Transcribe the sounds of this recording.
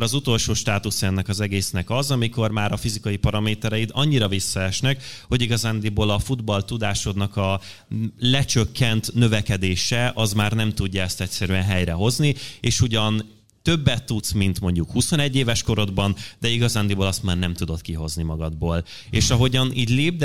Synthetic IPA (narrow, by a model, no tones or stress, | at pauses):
ɾɒzut̪o̞lʃoːʃt̪aːt̪usɛnːɛkɒzɛɡeːsnɛkɒzɒmiko̞rmaːɾɒfizikɒjipɒɾɒmeːt̪ɛɾɛjit̪ɒɲːiɾɒvisːɒɛʃnɛkho̞ɟiɡɒzaːnd̪iboːlɒfud̪bɒlt̪ud̪aːʃod̪nɒkɒ | lɛt͡ʃøkːɛnt̪nø̞vɛkɛd̪eːʃɛʔɒzmaːrnɛmt̪uɟːɒɛst̪ɛctʲsɛɾyɛnɦɛjɾɛɦo̞znieːʃuɟɒn | t̪ø̞bːɛt̪ːut̪smint̪mo̞ɲɟukhuso̞nɛɟːeːvɛʃko̞ɾo̞d̪bɒnd̪ɛiɡɒzaːnd̪ibo̞lɒst̪maːrnɛmt̪ud̪o̞t̪kiɦo̞znimɒɡɒd̪boːl | eːʃɒɦo̞ɟɒniːɟleːb̚d̪